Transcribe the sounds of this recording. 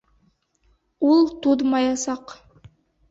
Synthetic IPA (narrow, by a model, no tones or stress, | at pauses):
ulˠt̪ud̪mɑjɑsɑq